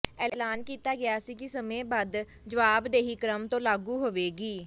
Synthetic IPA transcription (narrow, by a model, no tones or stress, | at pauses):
ɛːlaːnkiːt̪aːɡɪjaːsiːkɪsəmẽːbaːd̪ | d͡ʒəʋaːbd̪eːɦiːkɾəmt̪õːlaːɡuːɦoʋeːɡiː